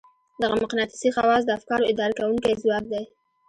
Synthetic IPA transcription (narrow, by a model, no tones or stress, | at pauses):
d̪aɣamaqnɑt̪i̥sixawɑz̬d̪əafkɑɾoɪd̪ɑɾakawuŋkajzwɑk̚d̪aj